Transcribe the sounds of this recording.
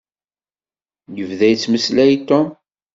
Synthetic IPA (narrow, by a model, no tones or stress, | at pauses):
jəvðæjt͡sːməslæjt̪ɔm